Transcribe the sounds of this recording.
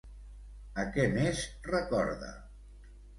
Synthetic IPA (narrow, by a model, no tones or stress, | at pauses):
əkɛnesrəkɔ̰ɾðə̰